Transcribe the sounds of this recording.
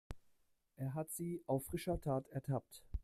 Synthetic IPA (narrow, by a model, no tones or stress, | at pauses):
ʔeːɐɦatz̥iːʔaʊfʁ̥ɪʃɐtʰaːtɛɐtʰap̚t